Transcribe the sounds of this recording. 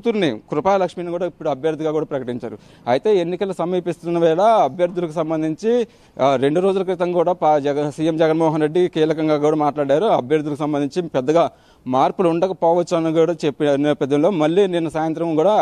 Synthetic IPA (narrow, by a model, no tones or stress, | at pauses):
ut̪uɾnikɾupaːlɐkʂminikuːɽaːipːuɽuɐbʱjɐɾd̪ʱiɡaːɡuːɽaːpɾɐkɐʈiɲt͡ʃaːɾu | ɐjit̪e̞ːenːikɐlɐsɐmiːpist̪unːɐʋɛːɽɐɐbʱjɐɾd̪ulɐkusɐmbɐnd̪iɲt͡ʃi | ɾe̞ɳɖuɾo̞ːd͡ʒulɐkɾit̪ɐŋkuːɽaːpsijemd͡ʒɛɡɐnmɔːɦɐnɾeɖːikiːlɐkɐŋɡaːɡuːɽaːmaːʈlaːɽaːɾuɐbʱjɐɾd̪ulɐkusɐmbɐnd̪iɲt͡ʃipɛd̪ːɐɡaː | maːɾpulɐuɳɖɐkɐpɔːʋɐt͡ʃːuɐnuɡuːɽat͡ʃepːinɐpɛd̪ːɐnlo̞ːmɐlːiːninːɐsaːjɐnt̪ɾɐmkuːɽaː